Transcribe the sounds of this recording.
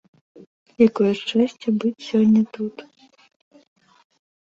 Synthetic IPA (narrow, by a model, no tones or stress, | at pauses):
jakɔjuʂt͡ʂɛsʲt͡sʲɐbɨt͡sʲsʲɔnʲːɐt̪ut̪